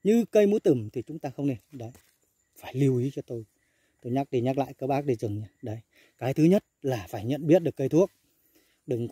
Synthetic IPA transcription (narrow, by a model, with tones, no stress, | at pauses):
ɲɨ˧kə˧jmu˨˦t̪ɨ˧˩mt̪ʰi˨˩t͡ɕʊ˨˦ŋ͡mt̪aː˧xə˧wŋ͡mne˧ɗa̰ː˧˥˨j | faː˧˩jli˧əwʔi˨˦t͡ɕɔ˧t̪o˧j | t̪o˧jɲaː˦˥k̚ɗi˧˩ɲaː˦˥k̚la̰ː˧˨jkəː˧˩ɓaː˦˥k̚ɗi˧˩zɨ˨˩ŋɲa˨˧˦ɗə˧˩j | kaː˨˦jt̪ʰɨ˨˦ɲə˦˥t̚laː˨˩faː˧˩jɲə̰˧˨nɓi˦˥ət̚ɗɨ˨˩kːə˧jt̪ʰu˦˥ək̚ | ɗɨ˨˩ŋ